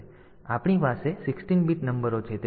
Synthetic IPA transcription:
apɳipasesɪksʈinbit̪nəmbəɾot͡ʃʰet̪e

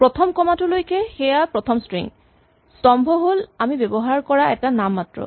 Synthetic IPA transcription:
pɹɔt̪ʰɔmkɔmatʊlojkɛxɛjapɹɔt̪ʰɔmstɹḭŋ | stɔmbʱɔɦolamibɛbɔɦaɹkɔɹaɛtanamːatɹɔ̰

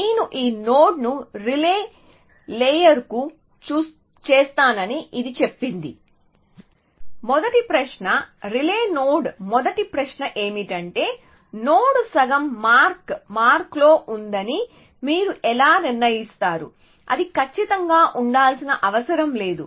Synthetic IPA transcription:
eːnuʔiːno̞ːɖnuɾileː | leːjɐɾku | t͡ʃuːs | t͡ʃeːst̪aːnɐniʔid̪it͡ʃe̞pːind̪ḭ | mɔd̪ɐʈipɾɐʃɳɐɾileːnoːɖmɔd̪ɐʈipɾɐʃnɐʔe̞ːmiʈɐɳʈe̞ː | noːɽsɐɡɐmːaːɾkmaːɾklo̞ːʔund̪ɐni | miːɾuʔɛlaːniɾnɐjist̪aːɾṵ | ɐ̰d̪ikɐt͡ʃːit̪ɐŋɡaːʔuɳɖaːlsinɐʔɐʋɐsɐɾɐmle̞ːd̪u

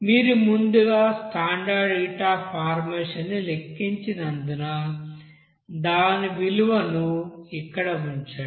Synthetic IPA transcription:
miːɾumund̪uɡaːsʈaːɳɖaːɖiːʈaːpʰaːɾmeːʂɐnːilekːiɲt͡ʃinɐnd̪unɐ | d̪aːniʋiluʋɐnuikːɐɽɐuɲt͡ʃaːɽ

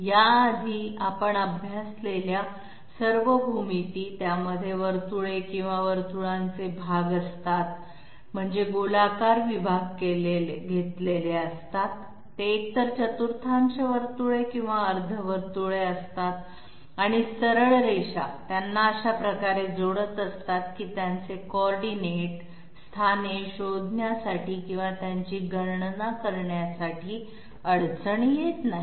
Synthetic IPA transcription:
jaːd̪ʱiːapəɳəbʱjaslelja | səɾʋəbʱumit̪iːt̪jaməd̪ʱːjeʋəɾt̪uɭekĩw̃ʋaʋəɾt̪uɭãnt͡sebʱaɡəst̪at̪̚ | m̤əɳd͡zeɡolakaɾʋibʱaɡ̚keleɡʱet̪leleəst̪at̪ː | eːk̚t̪əɾt͡ɕət̪uɾt̪ʰãɲt͡seʋəɾt̪uɭekĩw̃ʋaəɾd̪ʱəʋəɾt̪uɭeəst̪at̪ | aɽ̃isəɾəɭɾejɕa̰t̪janːaəɕapɾəkaɾed͡zoɽət̪əst̪at̪kiːt̪jant͡sekoɔɾɖineʈ | st̪ʰaneɕod̪ʱnjasaʈiːkĩw̃ʋat̪jaɲt͡ɕiːɡʱəɾɳnakəɾɳjasaʈʰiː | əɽt͡səɳjet̪naɦi

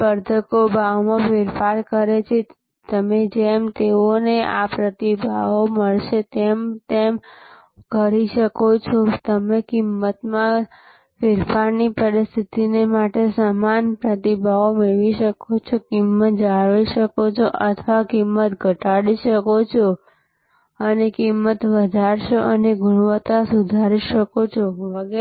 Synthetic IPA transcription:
pəɾd̪ʱəkobʱaʋmãfeɾfaɾkəɾet͡ʃʰe | t̪əmed͡ʒɛmt̪eoneʔa̰pɾət̪ibʱaoməɭʃet̪ɛmt̪em | kəɾiʃəkot͡ʃʰot̪əmekimːət̪mã | feɾfaɾnipəɾist̪ʰit̪inemaʈesamanpɾət̪̬ibʱaomeʋiʃəkot͡ʃʰokimːət̪̚d͡ʒaʋiʃəkot͡ʃʰoʔət̪ʰʋakimːət̪ɡʱəʈaɽiʃəkot͡ʃʰo | ənekimːət̪ʋəd̪ʱaɾʃoʔəneɡʊɽ̃ʋət̪asud̪ʱaɾiʃəkot͡ʃʰoʋəɡ

